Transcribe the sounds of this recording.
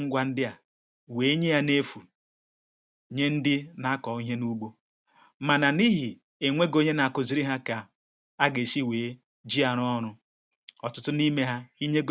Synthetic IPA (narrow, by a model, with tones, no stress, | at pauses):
ŋ̩˦ɡʷa˨n̩˦dɪ˦a˨ | weː˨˦ɲe˦ja˦ne˦fu˨ | ɲe˦n̩˦dɪ˦na˦kɔ˨˦i˦ɦe˦nu˦ɡ͡bo˦ | ma˨na˨ni˦ɦi˨ | e˨ŋʷe˦ɡo˦ɲe˦na˨a˨kʊ˨zi˨ɾi˦ɦa˦ka˨ | a˦ɡe˨si˦weː˨˦ | d͡ʒi˦a˨ɾʊ˦ɔ˦ɾʊ˦ | ɔ˨tʊ˦tʊ˦ni˦me˦ɦa˦i˦ɲe˦ɡ